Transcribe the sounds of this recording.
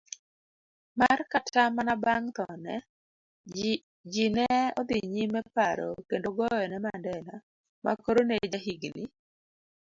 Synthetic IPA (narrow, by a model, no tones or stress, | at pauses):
markatʰamanabaŋt̪ɔnɛ̰ | d͡ʒinɛɔd̪iɲimɛpaɾɔ̰kendoɡɔjɔnɛmandɛna | ma̰koɾoned͡ʒaɦiɡni